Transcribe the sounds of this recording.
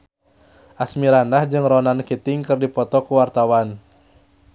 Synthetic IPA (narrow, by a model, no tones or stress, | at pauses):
ʔasmiɾandahd͡ʒɨŋrɔnankit̪ɪŋkɨrdipɔt̪ɔkuwart̪awan